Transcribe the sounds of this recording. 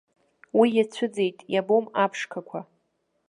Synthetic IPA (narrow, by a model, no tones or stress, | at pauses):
wijat͡ɕʷʰɨd͡ze̞jtʼjabomapʰʂkʰakʷʰa